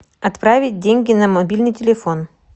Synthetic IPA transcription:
ɐt̪pɾavʲɪt̚ʲdʲenʲɡʲɪnɐmɐbʲilʲnɨjtʲɪlʲɪfon

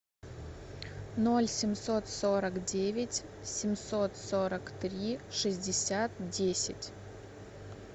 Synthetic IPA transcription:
no̞lʲsʲɪmsot̪soɾəkdʲevʲɪtʲ | sʲɪmsot̪soɾəkt̪ɾʲiʂɨzʲdʲɪsʲat̪dʲesʲɪ̰tʲ

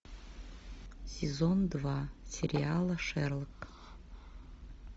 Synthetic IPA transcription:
sʲezond̪vasʲerʲialˠaʂerlkʼ

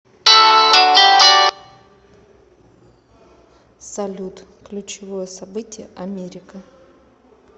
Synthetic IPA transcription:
sɐlʲut̪ | klʲʊt͡ɕɪvojəsɐbɨtʲɪjəʔɐmʲeɾʲɪkə

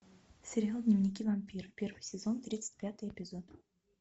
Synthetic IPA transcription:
sʲeɾʲɪalˠd̪nʲɪvnʲikʲivamʲpʲirpʲe̞rvɨjsʲɪzont̪ɾʲit̪sɨ̥tʲpʲat̪ɨjepʲɪzot̪

